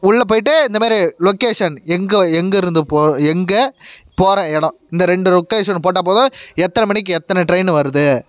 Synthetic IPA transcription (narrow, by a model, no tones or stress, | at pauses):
ʊɭːɐp̬oːjɪʈ̬ːɯɪnd̪ɐmaːɾilɔkeːʂɐnɛŋɡɐɛŋɡɐɪɾɯnd̪ɯpoːɛŋɡɐpoːɾɐ̃ɛɽɐ̃ɪnd̪ɐɾɛɳɖɯlɔkːeːʂɐnp̬oːʈ̬ːaːpoːðãːɛt̪ːɐnɐmɐɳɪk̬ːɯɛt̪ːɐnɐʈɾɐɪnʋɐɾɯðɯ